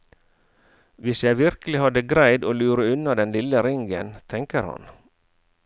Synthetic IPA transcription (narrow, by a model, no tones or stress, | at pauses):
ʋɪsjæɪʋɪɾkəlɪhɑd̪əɡɾæɪd̪oːlʉːɾəʉnɑd̪ɛnlɪləɾɪŋɡə̰nt̪ʰɛŋkəɾhɑ̰n